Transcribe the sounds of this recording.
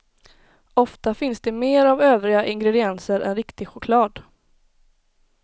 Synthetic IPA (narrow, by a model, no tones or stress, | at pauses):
ɔft̪afɪnsd̪ɛmeːɾavøːvɾɪɡaʔɪŋɡɾɛd̪ɪɛnsəɾɛ̰nɾɪkt̪ɪɡɧʊkʰlɑːd̪